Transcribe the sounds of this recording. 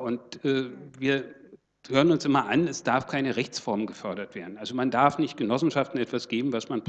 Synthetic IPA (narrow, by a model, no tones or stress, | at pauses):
ʊntʔɛːviːɐ | høːʁənʊnsʔɪmɐʔanɛsd̥aɐfkʰaɪnəʁɛçt͡sfɔɐmənɡəfœɐɾɐtv̥eːɐdn̩ʔalzomandaɐfnɪçt̚ɡ̥ənɔsn̩ʃaftn̩ɛtv̥asɡ̥eːbm̩vasmanb